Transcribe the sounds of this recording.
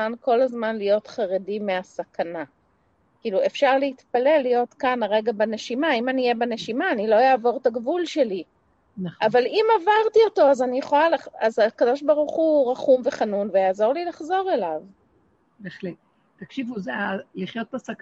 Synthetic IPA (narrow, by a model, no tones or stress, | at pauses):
anko̞lazmanlijo̞tχaʁedimeasakʰana | kiːlue̞fʃaʁleitpale̞lːijo̞tkanaʁe̞ɡabane̞ʃimaimanijebene̞ʃimaːnilo̞jaːvo̞ʁtaɡvulʃe̞li | naʔavalimavaʁtio̞to̞azanijeχolalaazakado̞ʃbaʁuχuʁaχumve̞χanunvejaːzo̞ʁlilaχzo̞ʁe̞lav | beχlet | takʃivuzealiχjot̪̚ːasak